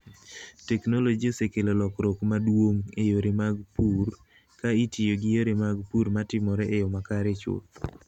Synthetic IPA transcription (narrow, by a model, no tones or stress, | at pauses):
tɛknolod͡ʒiosekelolɔkɾokmadwoŋejoɾemaɡpuɾ | kaitijoɡɪjoɾemaɡpuɾmatɪmɔɾɛʔejomakaɾet͡ʃʊ̰t